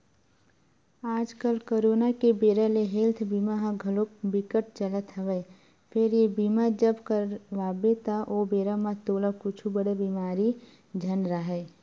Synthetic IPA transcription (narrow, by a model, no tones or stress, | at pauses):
aːd͡ʒkəlkoɾoːnakebeːɾəleɦelt̪ʰbimaɦãɡʱəlokbɪkəʈ̚t͡ʃələt̪ɦəʋɛ | pʰeɾjebimad͡ʒəbkəɾʋaːbet̪aʔobeːɾamãt̪oːləkʊt͡ʃʰubəɽebimaːɾi | d͡ʒʱənɾəɦɛ